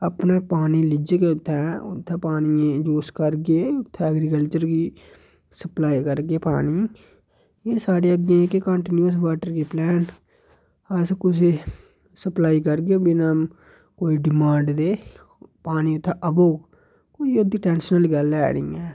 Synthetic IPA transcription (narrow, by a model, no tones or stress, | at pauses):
əpneːpaːniːlɪd͡ʒkeːʊt̪ʰːɛ̃ːʊ̰t̪ʰːɛ̃ːpaːniẽd͡ʒoːskəɾɡeːʊt̪ʰːɛ̃ːəɡɾikəlt͡ʃəɾɡiː | səplaːikəɾɡeːpaːniː | eːsaːɽeːəɡ̪ẽkɪkəɳʈɪnuəs̬ʋaːʈəɾkiːplɛːn | əskʊs̬e | səplaːiːkəɾɡẽːbɪnaːm | koːiːɖɪmãːɳɖd̪eː | paːniːʊt̪ʰːɛ̃ʔəboː | koːiod̪iːʈɛːnsnəlɡəlɛ̰ːɽḭːɛ̃ː